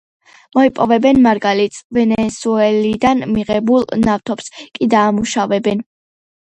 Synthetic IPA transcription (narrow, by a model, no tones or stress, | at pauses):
mɔipʼɔvɛbɛnmaɾɡalit̪svɛnɛsuɛlid̪anmiʁɛbulˠnaft̪ʰɔpskʼid̪aːmuʃavɛbɛn